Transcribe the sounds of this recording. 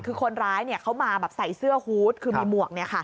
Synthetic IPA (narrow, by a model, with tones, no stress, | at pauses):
kʰɯː˧kʰo˧nɾaː˦˥jni˥˩ɐkʰa˦˥wmaː˧bɛː˨˩p̚sa˨˩jsɯ˥˩ɐhuː˦˥t̪̚kʰɯː˧m˧iː˧mu˨˩ək̚ni˥˩ɐkʰa˥˩